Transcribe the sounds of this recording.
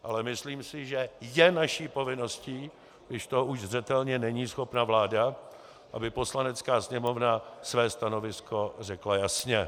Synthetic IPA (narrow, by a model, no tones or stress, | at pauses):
ʔalɛmɪsliːmsɪʒɛjɛnaʃiːpo̞vɪno̞sciː | ɡdɪʃt̪o̞uʒzrɛt̪ɛlɲɛnɛɲiːsxo̞pnavlaːda | ʔabɪpo̞slanɛt͡skaːsɲɛmo̞vnasvɛːst̪ano̞vɪskʰo̞r̝ɛklajasɲɛ